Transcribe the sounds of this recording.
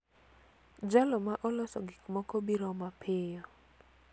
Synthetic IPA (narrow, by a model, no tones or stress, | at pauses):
d͡ʒalɔmaʔɔlɔsɔɡɪkmɔkɔbiɾɔmapʰɪjɔ